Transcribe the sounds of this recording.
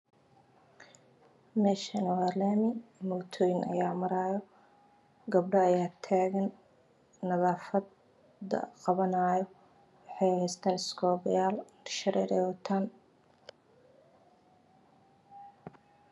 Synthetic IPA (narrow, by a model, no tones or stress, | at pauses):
mɛːʃɐnɐwaːlɛːmɪmɔt̪ʰɔːjɪnɐ̰jaːmɐɾaːjɔ | ɡɐb̚ɖɐɐjaːt̪ʰaːɣɐnː | ɐðaːfɐd̪ | ɐ̰qɑβɐnaːjɔ | wɑħɑjhɛjst̪ʰaːnɪskʰɔːβɐjaːl | ʃɐɾɛːɾɛwɐt̪ʰaːn